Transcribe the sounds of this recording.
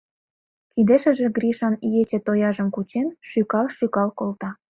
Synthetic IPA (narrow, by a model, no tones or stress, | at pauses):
kid̪eʃə̆ʒĕɡrʲiʃɑnijet͡ɕĕt̪ojɑʒə̆mkut͡ɕenʃykɑlʃykɑlkolt̪ɑ